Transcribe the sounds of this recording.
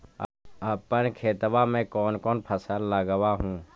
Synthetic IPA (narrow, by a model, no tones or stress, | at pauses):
əpːənkʰeːt̪ʋamẽkɔːnkɔːnpʰəsəlːəɡəʋaɦũː